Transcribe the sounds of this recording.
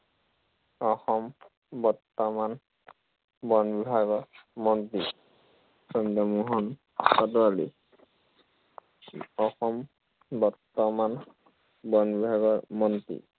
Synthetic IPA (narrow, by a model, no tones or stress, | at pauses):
ɔxɔm | bɔɹt̪ɔman | bɔnbibʱaɡɔɹmɔntɹi | sɔndɔmuɦɔn | sɔtɔali | ɔxɔm | bɔɹt̪ɔman | bɔnbibʱaɡɔɹmɔntḭ